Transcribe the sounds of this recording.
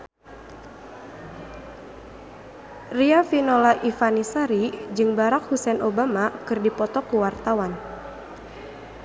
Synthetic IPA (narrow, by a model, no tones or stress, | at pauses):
riafinolaʔifanisaɾid͡ʒɨŋbaɾak̚husɛnʔobamakɨrdipɔt̪ɔkuwart̪awan